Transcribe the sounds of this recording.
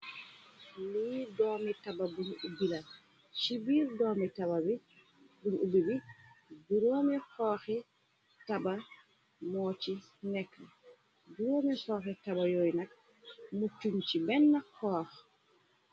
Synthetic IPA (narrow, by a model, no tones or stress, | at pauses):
lidoːmitabɐbunubilɐ | ʃibiːɾdoːmitabɐbi | buɲubibiduɾoːmixɔːxi | tɐbɐ | moːt͡ʃi | nɛkːɐ | duɾoːmisoːxitɐbɐjojnɐk̚ | mut͡ʃuɲt͡ʃibɛnːɐkːɔːx